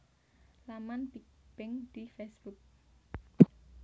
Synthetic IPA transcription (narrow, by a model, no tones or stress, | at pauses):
lamanpib̥ɪŋd̪̥ifesb̥uk̚